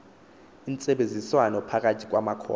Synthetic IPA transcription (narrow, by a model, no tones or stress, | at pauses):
int͡sʼɛɓend͡zʱiswanɔpʰak̬ʼatʰi̥k̬wamakʰɔ̰ː